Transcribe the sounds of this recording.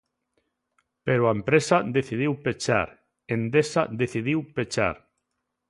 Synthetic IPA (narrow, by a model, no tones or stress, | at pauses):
peɾoaempɾesad̪eθið̞iwpet͡ʃa̰ɾ | end̪esaðeθiðiwpet͡ʃa̰ɾ